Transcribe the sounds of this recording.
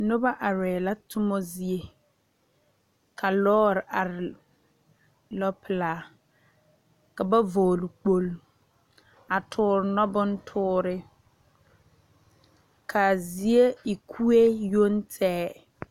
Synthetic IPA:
nʊ˦ba˦ʔa˨ɾɛː˨la˦tʊ˦mɔ˦zi˦e˦ | kʰa˨lɔː˦ɾɪ˨ʔa˨ɾɪ˨ | lɔ˦pɪ˨laː˨ | ka˨ba˦voː˨lʊ˨k͡po˦l | a˨tʰʊː˨˦ɾɪ˨nɔ˦bʊ˦n˦tʰʊː˦ɾɪ˦ | kʰa˨zi˦e˦ɪ˨kʰu˦e˦jo˦n˦tʰɛː˦

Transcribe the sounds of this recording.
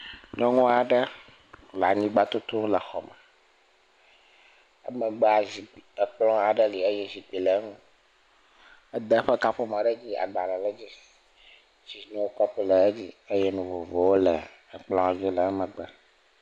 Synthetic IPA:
ɲɔ̃˦ŋɔ̃˦a˨ɖə˦ | la˨ɲĩ˦ɡ͡ba˦t̪o˦t̪u˦lə˨xɔ˨mɛ̃˨ | ə̰˦mə˨ɡ͡bɛ˦a˨zi˨i˨ə˨k͡plɔ̃˦a˨ɖə˦li˨ə˦jɛ˦zi˨k͡pi˨lə˨˦ŋũ˦ | ə˦d̪ə˦ɸɛ˦ka˦ɸo˦mã˨ɖə˦d͡ʑi˦a̰˨ɡ͡ba˨lɛ˨lə˦d͡ʑi˦ | zi˨˦nũ˦wo˦kɔ˦ɸu˦lə˨e˦d͡ʑi˦ə˦jɛ˦nũ˨vo˨vo˨wo˦lə˨ | k͡plɔ̃˦a˨vi˦lə˨˦mə̃˨ɡ͡bə˦

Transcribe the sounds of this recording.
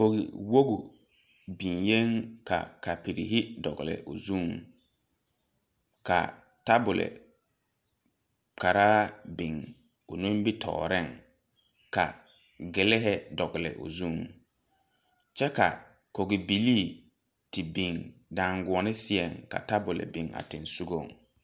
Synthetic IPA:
ko˨ɣḭ˨wo˦ɡʊ˨ | bĩ˨ŋje˦ŋka̰˨ka˨pi˨ɾḭ˨ɦi˦dɔ˨ɣɪ̰˨lɪ̰˨ʔo̰˨zu˦˨ŋ | ka̰˨ | ta˦bʊ˨lɪ̰˨ | ka˨ɾaː˦bɪ˨ŋ | o̰˨nũ˦m˦bɪ˦tʰɔ̰ː˨ɾɪ˦˨ŋ | ka̰˨ | ɡɪ˨lɪ˦ɦɛ˦dɔ˨ɡɪ˨lɪ̰˨ʔo˨zu˦˨ŋ | t͡ʃɛ˦ka̰˨ | ko˨ɡɪ˨bi˨liː˦˨ | ti˨bĩ˨ŋdã˨ŋɡʊ˨ɔ˨nɪ˦sɪ˦ɛ˨ŋka̰˨ta˦bʊ˨lɪ̰˨bɪ˨ŋa̰˨tɪ˨nsu˦ɡo˦˨ŋ

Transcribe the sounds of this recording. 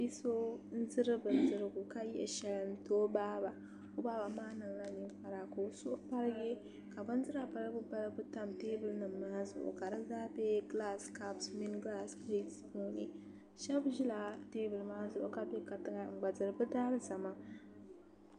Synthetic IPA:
bi˦so˦n̩˦zɨ˦ɾɨ˦bɨ˨n˨zɨ˦ɾɨ˦ɡu˨ka˦jɛ˦ʔɛ̰˨ʃɛ˦lɨ˨n̩˦toː˦baː˦ba˨ | o˦baː˦ba˨maː˦nɨ˨ŋla˦ni˨˦ŋk͡pa˨ɾa˨ko˨sʊ˦ʔpa˦ɾɨ˦ɡe˦ | ka˨bɨ˦n˦zɨ˦ɾa˨pa˦ɾɨ˦ɡʊ˦ba˦lɨ˦bɨ˦ta˦mteː˦bɨ˨lnɨ˨mːaː˦zʊ̰˨ʔʊ̰˨ka˨dɨ˦zaː˦be˦ɡla˦ska˦bsmi˦nɡla˦sɾe˦si˨bo˦ni˦ | ʃɛ˦bʒi˦la˨teː˦bɨ˨lmaː˦zʊ˨ʔʊ̰˨ka˦be˦ka˨tɨ˦ɡa˦ŋ͡m̩˨ɡ͡ba˨zɨ˨ɾɨ˨bɨ˦daː˦lɨ˦sa˨ma˦

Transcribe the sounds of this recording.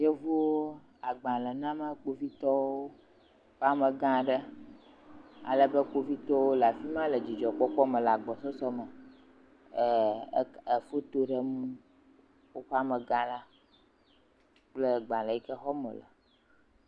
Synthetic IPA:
je˦vo˦wo˦ | a˨ɡ͡bã˨lə˨nã˦mã˦k͡po˦vi˦t̪ɔ˦wo˦ | ɸa˦mə˨ɡã˦ɖə˦ | a̰˨lə˦bə˦k͡po˦vi˦t̪ɔ˦wo˦la˨fi˦mã˦lə˨d͡ʑi˨d͡ʒɔ˨k͡pɔ˦k͡pɔ˦mə̃˨la˨ɡ͡bɔ˨sɔ˦sɔ˦mə˨˦ | ə˨fo˦t̪o˦ɖə˦mũ˦ | wo˦ɸa˦mə˨ɡã˦la˦ | k͡plə˦ɡ͡bã˨lə˨i˦kə˦xɔ˦mɔ̰̃˨lə̰˨

